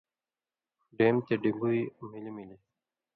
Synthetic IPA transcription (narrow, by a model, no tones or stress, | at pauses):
ɖemt̪eɖiɡujmilimili